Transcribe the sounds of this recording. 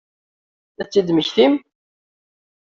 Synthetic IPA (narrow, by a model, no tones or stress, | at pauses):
æt͡sːid̪məçθim